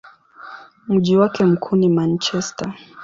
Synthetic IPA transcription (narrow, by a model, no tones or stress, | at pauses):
m̩ʄiwakɛm̩kʰunimant͡ʃɛsta